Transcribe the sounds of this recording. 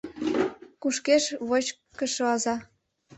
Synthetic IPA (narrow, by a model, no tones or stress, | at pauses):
kuʃkeʃβot͡ɕkəʃoɑzɑ